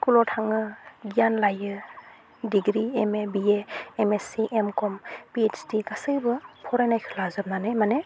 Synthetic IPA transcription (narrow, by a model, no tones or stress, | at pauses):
kulɔtʰaŋɯɡianlajɯ | diɡɾiemebieːmesiʔemkɔmpiet͡ʃtikasɯjbɯpʰɔɾajnajkʰɯ̥lazɯp̚nanɯjmane